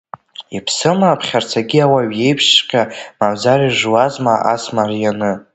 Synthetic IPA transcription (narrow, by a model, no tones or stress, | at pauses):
ipʰsɨmaːpʰχʲart͡sʰaɡʲiawaɥje̞jpʰʂqʲʼamamzaɾiʐwazmaʔasmarjanɨ